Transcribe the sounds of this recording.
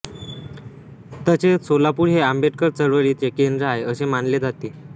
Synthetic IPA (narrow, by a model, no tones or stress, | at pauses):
t̪ət͡ɕesolapuɽɦeambeʈ̚kəɾt͡səɽʋəɾit͡sekend̪ɾəɦajəsemanled͡zat̪e